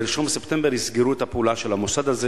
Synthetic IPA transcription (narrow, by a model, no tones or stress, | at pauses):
elʃomsept̪e̞mbeʁisɡiʁuet̪apulaʃelamosad̪aze